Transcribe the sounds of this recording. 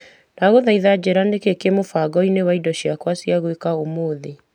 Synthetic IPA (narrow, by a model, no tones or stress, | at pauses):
naɣoðaiðad͡ʑɛɾandekekemofaɡɔinewaidɔɕiakwasjaɣwekaomoːðe